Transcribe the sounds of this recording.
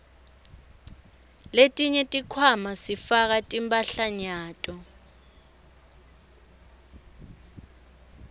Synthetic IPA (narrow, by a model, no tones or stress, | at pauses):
letʼiɲɛtʼikʰwamasifak̬atʼimbʼaɬaɲaːtʼɔ